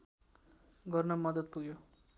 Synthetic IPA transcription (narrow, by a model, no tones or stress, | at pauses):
ɡʌrnʌmʌd̪ʌd̪̚puɡjo